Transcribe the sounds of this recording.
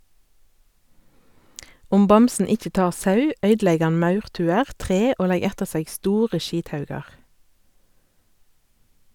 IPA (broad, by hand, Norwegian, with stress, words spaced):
ˈʊm ˈbɑmsn̩ ˈɪc͡çə ˈtɑːʁ ˈsɑʉ ˈœʏdˌlɛɡ ˈɑn ˈmɑʉʁˌtʉːəʁ ˈtʁeː ˈoː ˈlɛɡ ˈɛtəʁ ˈseːɡ ˈstuːʁə ˈʃiːtˌhɑʉɡɑʁ